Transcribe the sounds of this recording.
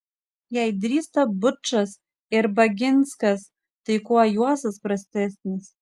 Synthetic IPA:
jajd̪rʲist̪abɨʈ͡ʂʰːas | erbaɡʲenskas | t̪ɨjkʰʷʼuajuasɨzprɐst̪est̪nɨz

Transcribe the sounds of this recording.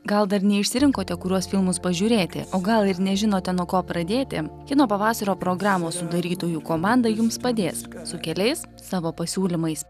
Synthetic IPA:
ɡɐlˠd̪ɐɾnʲɛɪʃʲsʲɪɾʲɪŋkoːt̪ʲɛkʊɾʲuɔsfʲɪlˠmʊspɐʒʲuːɾʲeːt̪ʲɪ̰oːɡɐlˠɪɾnʲɛʒʲɪnoːt̪ʲɛnuɔkoːpɾɐd̪ʲeːt̪ʲɪ̰kʲɪnoːpɐʋɑːsɐɾoːpɾoːɡɾɑːmoːssʊd̪ɐɾʲiːt̪oːjukoːmɑˑnd̪ɐjʊmspɐd̪ʲeːssʊkʲɛlʲɛɪsːɑːʋoːpɐsʲuːlʲɪmɐɪs

